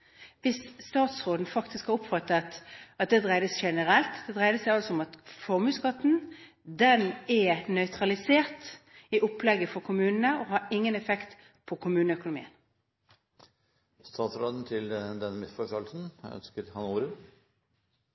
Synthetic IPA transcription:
ʋɪsːt̪ɑːt̪sʁoːd̪n̩fɑkt̪ɪskhɑlʊpfɑt̪ːəɑt̪ɑt̪̚d̪ɛd̪ʁæɪd̪əsʃɛnəɾɛlt̪d̪ɛd̪ʁæɪd̪əsæɪɑlsɔʊmɑt̪fɔʁmʉːskɑt̪ːn̩ | d̪ɛnɛnœʏt̪ɾɑlɪseːʁt̪ | ɪʔʊplɛɡːəfɔɾkʰʊmʉːnənəɔɦɑɾɪŋːənɛfɛkt̪ | pʰɔkʰʊmʉːnəœkʊnʊmḭːən | st̪ɑːt̪sɾoːd̪n̩t̪ʰɪld̪ɛnmɪsfɔʂɔlsn̩œ̰nskəɾhɑnuːɾə

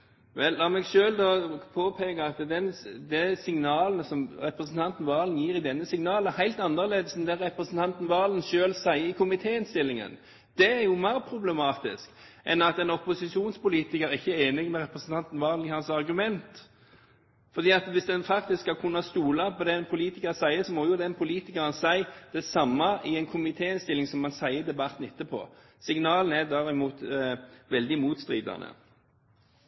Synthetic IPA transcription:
ʋɛlːɑːʁmɛɡʃøːld̪ɔpʰoːpʰeːɡɑɑt̪d̪ɛnd̪ɛsɪŋnɑːlənəsɔmɾɛpɾəsn̩t̪ʰɑnt̪n̩ʋɑːlənjiːɾɪd̪ɛnːəsɪŋnɑːlɛhæɪlt̪ɑnːəʁleːd̪əsnd̪ɛʁɛpɾəsn̩t̪ʰɑnt̪n̩ʋɑːlən̩ʃøːlsæɪəɪkʰʊmɪt̪ʰeːɪnst̪ɪlːɪŋə̰n | d̪̥ɛæɾjʊmæɪɾpʰɾʊblɛmɑːt̪ɪ̰skʔɛnɑt̪ɛnɔpʊsɪʃuːnspʊliːt̪ɪkəɾɪçːəeːnɪɡmɛɾɛpɾəsn̩t̪ɑnt̪n̩ʋɑːlnɪhɑnsɑʁɡʉmɛnt̪ | fɔʁd̪iːɑt̪ʋɪsd̪ɛnfɑkt̪ɪskhɑkʰʉnːɑst̪uːlɑpʰɔd̪ɛnpʰʊliːt̪ɪkəʁsæɪəsɔmɔjʊd̪ɛnpʰʊliːt̪ɪkəɾənsæɪd̪̥ɛsɑmːɑʔɪɛnkʰʊmɪt̪ʰeːɪnst̪ɪlːɪŋsɔmːɑnsæɪəd̪ɛbɑt̪n̩ɪt̪ːəpʰɔ̰ | sɪŋnɑːln̩æd̪ɑːʁɪmuːt̪ʋɛld̪ɪmuːt̪st̪ɾiːd̪ɑ̰nə̰

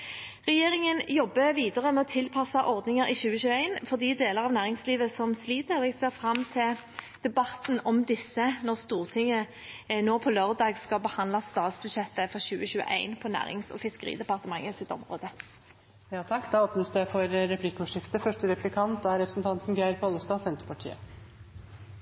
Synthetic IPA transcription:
ʁɛjeːʁɪŋənjɔbːəʋiːd̪əʁəmɛɔt̪ʰɪlpʰɑsɑʔɔʁd̪nɪŋəɾɪɕʉːəɕʉːəeɪnfɔʁd̪iːd̪eːləʁɑʋnæːʁɪŋsliːʋəsɔmsliːt̪əʁɛɡseːʁfɾɑmːt̪ʰɪl | d̪̥ɛbɑt̪nɔmd̪ɪsːənɔʁst̪uːʁt̪ʰɪŋːə | noːpʰɔløʁd̪ɑːɡskɑbəhɑnd̪lɑsːt̪ɑːt̪sbʉd̪ʂɛt̪ːəfɔʁɕʉ̰ːəɕʉːə̰ʔæ̰ɪnpʰɔnæ̰ːʁɪ̰ŋsɔ̰fɪskəʁḭːd̪ɛpɑʁt̪əmɑŋːəsɪt̪ɔ̰mʁo̰ːd̪ə | jɑːt̪ʰɑkːd̪ɑːoːpnəsd̪æfɔɾɾɛpʰlɪkːəʊʂɪft̪əfœʂʈəɾɛpʰlɪkʰɑnt̪̚d̪ɑæɾɛpɾə̥snt̪ʰɑnt̪nɡæɪɾpʰɔləst̪ɑːsɛnt̪ɾpʰɑʈʰḭːə̰

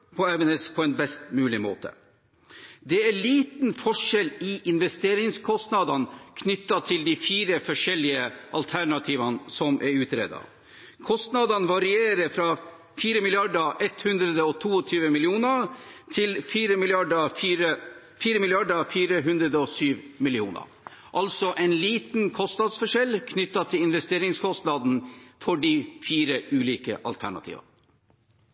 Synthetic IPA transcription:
pʰɔɛʋɛnɛspʰɔɛnbɛst̪mʉːlɪmo̰ːt̪ʰə̰ | d̪ɛæɭiːt̪nfɔʂɛlɪʔɪnʋɛst̪eːɾɪŋskʰɔst̪nɑːd̪ɑnkʰnʏt̪ːɑt̪ʰɪld̪ifiːɾəfɔʂɛlɪəʔɑ̰lt̪ʰæɳɑt̪ʰiːʋɑnsɔmʔɛɾʉːt̪ɾḛːd̪ɑ̰ | kʰɔst̪nɑd̪ɑnʋɑɾɪeːɾəfɾɑ | fiːɾəmɪlɪɑɖəʔɛt̪hʉnd̪ɾəd̪əɔt̪ʰuːɔt̪ʰyːʋəmɪlɪuːnət̪ʰɪlfiːɾəmɪlɪɑɖəːɾə | fiːɾəmɪlɪɑɖəfiːɾəɦʉnd̪ɾəd̪əɔsyːʋmɪlɪuːnə̰ɾ | ʔɑlsɔʔɛɪnliːt̪n̩kʰɔst̪nɑd̪sfɔʂɛlːkʰnʏt̪ːɑt̪ʰɪlɪnʋɛst̪eːɾɪŋskʰɔst̪nɑːd̪n̩fɔɖifiːɾəʔʉːliːkə̰ʔɑ̰lt̪ʰæɳɑ̰t̪ʰḭːʋɑ̰n

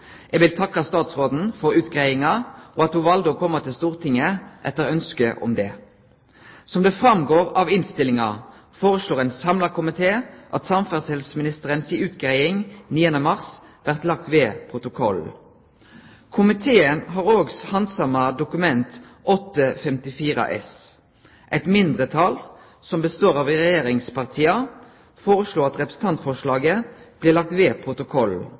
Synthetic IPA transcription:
ʔɛɡʋɪlt̪ʰɑkːɑst̪ɑːt̪sʁoːd̪n̩fɔʁʉːt̪ɡʁæɪɪŋɑʔoɑt̪hʊʋɑld̪ɔkʰɔmːɑt̪ʰɪlst̪uːʁt̪ʰɪŋːəʔɛ̰t̪ːəʁœnskəʔɔ̰md̪ɛː | sɔmd̪ɛfʁɑmɡoːʁɑʋɪnst̪ɪlɪŋɑ̰ | foːʁəsloːʁɛɪnsɑmlɑkʰʊmɪt̪ʰeːʔɑt̪sɑmfæʁshɛlsmɪnɪst̪əʁənsiːʉːt̪ɡ̥ʁæɪɪŋniːənəmɑʁsʋæʁt̪lɑk̚t̪ʋeːpʰʁʊt̪ʊkʰɔl | kʰʊmɪt̪ʰeːənɦɑːʁoːɡshɑnd̪sɑmɑd̪ʊkʉmɛnt̪ʔɔt̪ːəfɛmt̪ɪfiːʁɑ̰ʔɛ̰s | ʔɛɪt̪mɪnd̪ʁət̪ʰɑl | sɔmbəst̪oːʁɑʋɪʁɛjeːʁɪŋspɑʁt̪ʰiːɑ | foːʁəsloːɑt̪ʁɛpʁəsn̩t̪ʰɑnt̪fɔʁʂlɑːɡəb̥lɪlɑk̚t̪ʋeːpʰʁʊt̪ʊkʰɔl

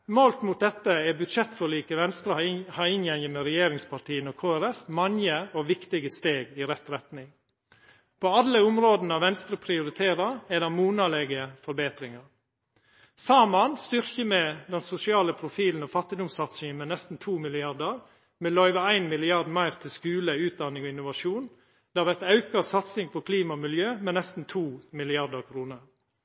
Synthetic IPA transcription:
molt̪mʊt̪̚d̪ɛt̪ːəɛbʉt̪ʃɛt̪ːfɔɾliːkəʋɛnst̪ɾəhɑɪɪnjɛŋəmɛɾɛjeːɾɪŋspʰɑɾʈ̪ʰiːənɔkʰoːæɾɛfmɑŋəɔʋɪkt̪ɪɡəst̪eːɡɪɾɛt̪ɾɛt̪nɪŋ | pʰoɑlːəʊmɾoːd̪nəɑʋɛnst̪ɾəpʰɾɪʊɾɪt̪ʰeːɾɑɾɛd̪ɛmuːnɑlɛɡəfɔɾbeːt̪ɾɪŋɑɾ | sɑːmɑnst̪ʏɾçəmɛd̪ɛnsʊsɪɑːləpʰɾʊfiːln̩ɔfɑt̪ːɪd̪ʊmsɑt̪sɪŋənmɛnɛst̪n̩t̪ʰuːmɪlɪɑd̪əɾ | mɛlœʏʋəæɪnmɪlɪɑɾd̪mɑɪɾt̪ʰɪskʉːləʉːt̪̚d̪ɑnɪŋɔɪnːʊʋɑʃuːn | d̪̥ɛːɑɾʋæɾt̪ɑʉkɑsɑt̪sɪŋpʰɔkʰliːmɑmɪljøːmɛnɛst̪n̩t̪ʰuːmɪlɪɑɾd̪əɾkʰɾuːnəɾ

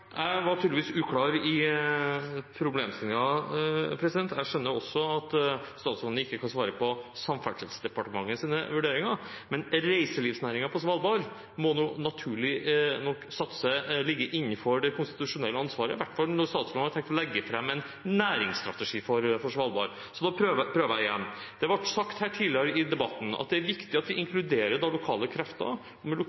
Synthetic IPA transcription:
jæɪʋɑʈʰyːd̪lɪʋiːsʉːkʰlɑːɾɪ | pʰɾʊbleːmst̪ɪlɪŋɑpʰɾɛsɪd̪ɛnt̪ʰæʂœnːəɔsːɔɑt̪st̪ɑːt̪sɔnnəɪkːəkʰɑnsʋɑːɾəpʰɔsɑmfæʂɪlsd̪ɛpɑʈəmɑŋːəsiːnə̰ʋʉɖeːɾɪŋɑmɛnɾæɪsəlɪʋsnæːɾɪŋɑpʰɔsʋɑːlbɑɾ | mɔnuːnɑt̪ʰʉːɭɪnɔkːsɑt̪ːsəlɪɡːəʔɪnːənfɔɾɖɛkʰʊnst̪ɪt̪ʉʂʊnɛlːəɑnsʋɑːɾəʋæʈːfɑlnɔɾst̪ɑːt̪slɑnhɑɾt̪ʰɛŋkt̪lɛɡːəfɾɛmːɛn | næːɾɪŋst̪ɾɑ̰t̪əʂiːfɔɾfɔʂʋɑlbɑ̰ɾ | sɔd̪ɑpʰɾøːʋpʰɾøːʋəɾjæɪjɛnːd̪̥ɛɑɾʋɑʈsɑkt̪hæːʈʰiːlɪəɾəɪd̪ɛbɑt̪ːn̩ɑ̰t̪̚d̪ɛæɾʋɪkt̪ɪɑt̪ʋɪʔɪŋkʰlʉd̪eːɾəd̪ɑlʊkʰɑːləkʰɾɛft̪ɑ̰ | ɔmɛlʊ

